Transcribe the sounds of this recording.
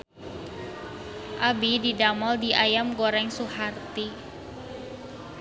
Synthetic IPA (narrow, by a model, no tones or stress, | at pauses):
ʔabididamɔldiʔajamɡoɾɛŋsuhart̪i